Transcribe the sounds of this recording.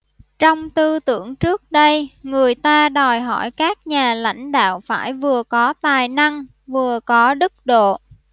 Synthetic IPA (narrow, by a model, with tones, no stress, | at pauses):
t͡ɕɔ˧wŋ͡mt̪ɨ˧t̪ɨ˧˩əŋt͡ɕɨ˦˥ək̚ɗə˧jŋɨ˨˩əjt̪aː˧ɗɔ˨˩jɦɔ˧˩jkaː˦˥k̚ɲaː˨˩la̰˧˥jŋ̟ɗa̰ː˧˨wfaː˧˩jvɨ˨˩əkɔ˨˦t̪aː˨˩jna˧ŋ | vɨ˨˩əkɔ˨˦ɗɨ˦˥k̚ɗo̰˧˨